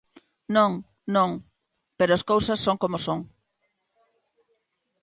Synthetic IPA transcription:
nõŋ | nõŋ | peɾoaskowsɐsːoŋkomosõŋ

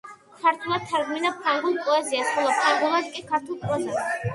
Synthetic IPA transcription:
kʰaɾt̪ʰulˠat̪ʰːaɾɡminapʰɾaŋɡulˠkʼɔɛziasχɔlˠɔpʰɾaŋɡulˠat̪kʼikʰaɾt̪ʰulˠpʼɾɔzas

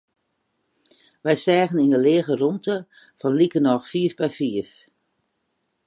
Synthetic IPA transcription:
ʋɛjsɛːɣəninəlɪːɣərumtə | fɔnlikənɔxfiːəfbɛjfiəf

